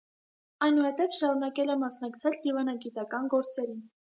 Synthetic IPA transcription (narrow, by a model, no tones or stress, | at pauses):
ɑjnuhɛt̪ɛvʃɑɾunɑkɛlɛmɑsn̪ɑkt͡sʰɛld̪ivɑnɑɡit̪ɑkɑnɡɔɾt͡sɛɾin